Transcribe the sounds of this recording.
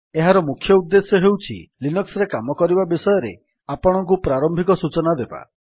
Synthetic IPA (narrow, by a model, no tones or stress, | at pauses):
eɦaɾɔmukʰjɔud̪ːesjɔɦewt͡ʃʰḭlinɔksɔɾekamɔkɔɾibabisɔjɔɾḛ | apɔɽ̃ɔŋk̬upɾaɾɔmbʱikɔsut͡ʃɔnad̪eba̰